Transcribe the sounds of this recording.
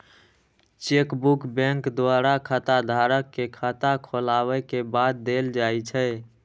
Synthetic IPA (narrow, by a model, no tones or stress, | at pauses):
t͡ʃekbukbɛ̃ŋkd̪waɾakʰət̪ad̪ʱaɾəkːekʰat̪akʰolaβɛkebad̪̚d̪eld͡ʒajt͡ʃʰə